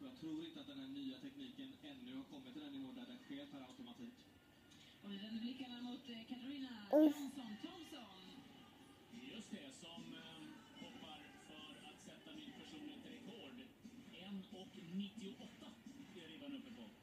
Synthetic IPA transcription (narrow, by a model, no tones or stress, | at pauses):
d̪ɔnt̪ʰɾuːɾɪnt̪əat̪̚d̪ɛnhæɳyːat̪ʰɛkniːkənɛnːɵhaɾkʰɔmːɪt̪ːɪlɛnːɪvɔːdædɛt̪feːɾpʰaɾaʊt̪ʊmat̪ʰiːk | ɔvɪvɛnəblɪkːanːamʊt̪kʰat̪aɾiːnaansɔnt̪ʰɔmsɔn | d̪ɛjɵst̪̚d̪ɛsɔm | hɔpːaɾ | fœɾat̪sɛt̪ːamɪnpʰæʂuːnlɪhɪt̪ɾɛkʰoːɖɛnːɔknɪt̪ːɪʊʔɔt̪ːaɾiːvanɵmːəɾpʰɔ